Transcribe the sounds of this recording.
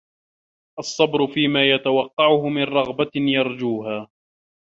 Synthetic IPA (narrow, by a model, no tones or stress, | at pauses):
ʔɑsˤːɑbɾʊfiːmaːjat̪awɑqːɑʕʊhʊmɪnɾˤɑɣbajɑɾˤd͡ʒuːɦaː